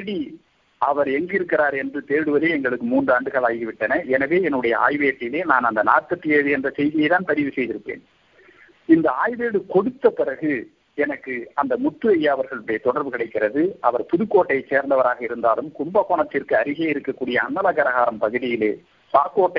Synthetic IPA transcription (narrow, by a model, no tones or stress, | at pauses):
ɽi | ɐʋɐɾɛŋɡɪɾɯkːɪɾaːɾɛndrɯt̪eːɾɽɯʋɐðeːɛŋɡɐɭɯkːɯmuːndrɯɐɳɖɯɣɐɭaːjɣiʋɪʈːɐnɐʔɛnɐʋeːɛnːɯɽɐjɐ̰a̰ːjʋeːʈːɪleːnaːnɐnd̪ɐna̰ːʈ̚tɐt̪ːɪjeːðɯɛndrɐsɛjðɪjɐɪt̪aːnpɐɾɪʋɯsɛjðɪɾɯpːḛːn | ɪnd̪ɐaːjʋeːɽɯkɔɽɯt̪ːɐpɪrɐɣɯ | ɛnɐkːɯɐnd̪ɐmʊʈ̪ːɯʋɐjːaɐʋɐɾɣɐɭɽɐjɐt̪ɔɽɐɾʋɯkɐɽɐɪkːɪrɐðɯʔɐʋɐɾpʊðɯkːoːʈːɐɪseːɾnd̪ɐʋɐɾaːɣɐɪɾɯnd̪aːlɯmkʊmbɐkoːɳɐt̪ːɪrkɯɐɾɪɣeɪɾɯkːɐkːuːɽɪjɐɐnːɐlakɐɾɐɣaːɾɐmpɐɣɯðɪjɪleː | saːkoːʈːɐ